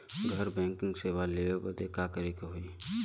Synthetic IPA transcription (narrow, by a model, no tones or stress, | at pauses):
ɡʱɐɾbɛ̃ːŋkɪ̃ŋɡseːwaleːobəd̪ekaːkəɾikeɦoi